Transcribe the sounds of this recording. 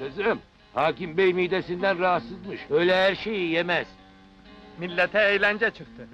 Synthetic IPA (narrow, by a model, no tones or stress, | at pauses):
ezɾɯm | haːkimbejmiːd̪esind̪ænɾaat̪sɯzmɯʃøjlʲɛhæɾʃejijemɛz̥ | milʲːet̪ʰɛejlʲænd͡ʒɛt͡ʃʰɯk̚t̪ʰɯ